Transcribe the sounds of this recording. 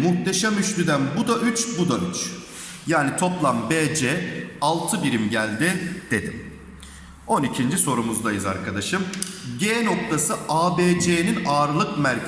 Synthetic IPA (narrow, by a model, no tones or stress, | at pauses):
muxt̪ʰeʃamyʃlʲyd̪ænbud̪aʔyt͡ʃbud̪ayt͡ʃ | jaːnit̪ʰo̞plˠambeːd͡ʒɛːalˠt̪ʰɯbiɾimɟælʲd̪id̪̥e̞d̪im | o̞nicʰind͡ʒiso̞ɾumuzd̪ajɯza̰ɾkʰad̪aʃɯmɟeːno̞k̚t̪ʰasɯʔaːbeːd͡ʒeːninaːɾlˠɯkmæɾʰ